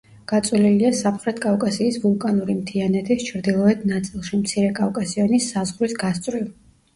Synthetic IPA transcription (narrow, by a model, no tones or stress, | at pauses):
ɡ̥at̪sʼwliliasamχɾɛt̪ʰkʼavkʼasiːsvulˠkʼanuɾimt̪ʰianɛt̪ʰist͡ʃʰɾd̪ilˠɔɛd̪nat̪sʼilˠʃimt̪sʰiɾɛkʼavkʼasiɔnisːazʁɾwisɡast̪sʼɾiv